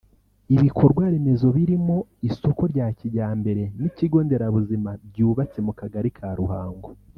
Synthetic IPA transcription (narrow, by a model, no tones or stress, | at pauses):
iβikʰo̞ɾɡwaːɾe̞me̞zo̞βiɾimo̞isoko̞ɾɟaːciɟaːmbe̞ɾe̞niciɡo̞ːnde̞ɾaβuzimabɟuːβat͡semukaɡaɾikʰaɾuhaːŋɡo